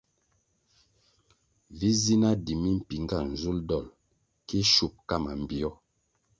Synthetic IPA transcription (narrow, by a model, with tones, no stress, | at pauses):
vi˦zi˦na˦di˨mi˦m̩˨pi˨ŋ˦ɡa˦˨n̩˨zu˦ldɔ˦˨l | ki˦ʃu˦˨p̚ka˦˨ma˨m̩˨bi˨ɔ˦